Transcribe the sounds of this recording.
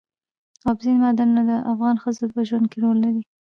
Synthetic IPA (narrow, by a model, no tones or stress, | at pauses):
ɑbzinmɑd̪annad̪əʔafɣɑnxəzopəʒwand̪̚keɾolːaɾi